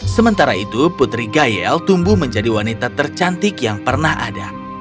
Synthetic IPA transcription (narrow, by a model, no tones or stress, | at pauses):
səmənt̪aɾait̪uput̪ɾiɡajɛlt̪umbuhməɲd͡ʒadiwanit̪at̪ərt͡ʃant̪ɪkjaŋpərnaha̰da